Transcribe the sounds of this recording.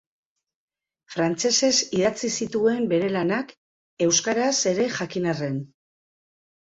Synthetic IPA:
fɾant͡se̞se̞siðat͡sisit̪ue̞mbe̞ɾe̞lanak | e̞wskaɾase̞ɾe̞ʝakinare̞n

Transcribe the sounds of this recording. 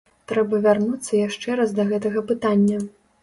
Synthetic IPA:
t̪ɾɛbɐvʲarnut̪sːɐjaʂt͡ʂɛɾasd̪ɐɣɛt̪ɐɣɐpɨt̪anʲːɐ

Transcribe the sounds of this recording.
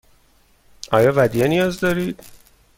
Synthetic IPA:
ʔɒ̰ːjɒːvæd̪ijenijɒːzd̪ɒːɾiːd̪̥

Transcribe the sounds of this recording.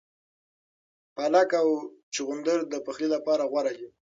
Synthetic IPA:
palakawt͡ʃiɣʊnd̪əɾd̪əpaxlilapɑɾaɣwaɾaɡi

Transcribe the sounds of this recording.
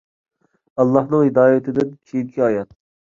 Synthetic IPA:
ɑlˠːɑhnɨŋhid̪ɑːjɪt̪ʰɪd̪ɪnkʲʰijinkʲʰiɑːjɑt̪̚

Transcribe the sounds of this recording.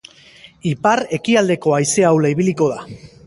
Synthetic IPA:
ipare̞kiald̪e̞ko̞ajse̞awlaiβiliko̞ð̞a

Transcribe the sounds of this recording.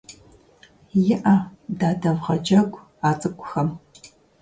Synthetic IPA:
jɪʔɐdaːdɐvʁɐd͡ʒɐɡʷʼ | aːt͡sʼɨkʷʰʼʊxɐm

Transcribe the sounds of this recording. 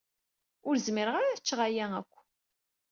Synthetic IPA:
ʊɾzmiɾəʁaɾaθət͡ʃːʁajæækʷː

